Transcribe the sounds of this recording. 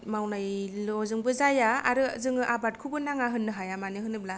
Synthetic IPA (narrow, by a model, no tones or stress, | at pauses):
mawnajlɔzɯŋbɯzajaa̰ɾɯzɯŋɯʔabat̚kʰubɯnaŋaɦɯnːɯɦajamanɯɦɯnɯbla